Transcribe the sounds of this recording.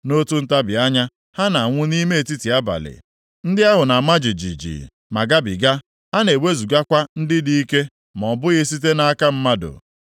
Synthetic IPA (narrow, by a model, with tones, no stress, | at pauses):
no˦tu˦n̩˦ta˦bɪ˨a˦ɲa˦ | ha˦na˨ŋʷʊ˦ni˦me˦e˨ti˦ti˨a˦ba̰˨lɪ̰˨ | n̩˦dɪ˦a˦ɦʊ˨na˨ma˦d͡ʒi˨d͡ʒḭ˨d͡ʒḭ˨ | ma˨ɡa˦bɪ̰˨ɡa˦ | a˦ne˨we˦zu˨ɡa˦kʷa˦n̩˦dɪ˦di˦i˦ke˦ | m˨ɔ˨bʊ˦ɣɪ˦si˦t̬e˦na˦a˦ka˦m̩˦ma˦dʊ̰˨